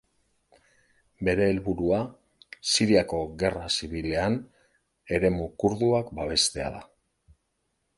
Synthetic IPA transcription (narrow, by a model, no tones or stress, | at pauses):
be̞ɾe̞ːlβuɾua | siɾiako̞ɣe̞rasiβ̞ile̞an | e̞ɾe̞mukuɾðuakbaβ̞e̞st̪e̞a̰ða